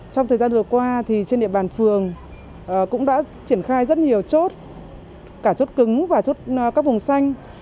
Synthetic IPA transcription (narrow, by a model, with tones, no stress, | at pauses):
t͡ɕɔ˧ŋ͡mt̪əː˨˩zaː˧nvɨ˨˩kwaː˧t̪ʰi˨˩t͡ɕe˧nɗḭ˧˨əɓaː˨˩nfɨ˨˩əŋ | ʔkʊ̰˧˥ŋ͡mɗa̰ː˧˥t͡ɕi˧˩ənxaː˧jzə˦˥t̚ɲi˨˩əwt͡ɕo˦˥t̚ | kaː˧˩t͡ɕo˦˥t̚kɨ˨˦ŋvaː˨˩t͡ɕo˦˥t̚kaː˦˥k̚vʊ˨˩ŋ͡msa˧jŋ̟